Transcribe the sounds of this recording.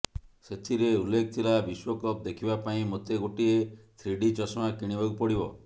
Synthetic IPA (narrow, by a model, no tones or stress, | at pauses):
set̪ʰiɾeulːekʰɔt̪ʰilabiswɔkɔp̚d̪ekʰibapaĩmot̪eɡoʈiet̪ʰɾiɖit͡ʃɔsmakiɽ̃ibɔɡupɔɽibɔ